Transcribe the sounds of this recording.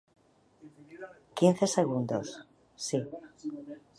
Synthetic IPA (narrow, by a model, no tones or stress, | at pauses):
kin̟θe̞se̞ɣ̞und̪o̰sː | i